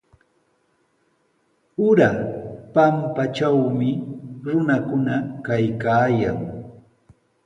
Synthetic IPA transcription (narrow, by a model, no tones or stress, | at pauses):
ʊɾapampat͡ʃawmɪɾʊnakʊnakajkaːja̰ŋ